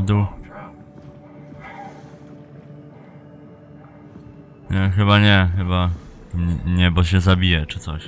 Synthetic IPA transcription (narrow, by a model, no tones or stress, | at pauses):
d̪u | ɲɛxɘbaɲɛxɘba | ɛ̰ɲɛbɔɕɛzabʲijɛt͡ʂɘt̪sɔɕ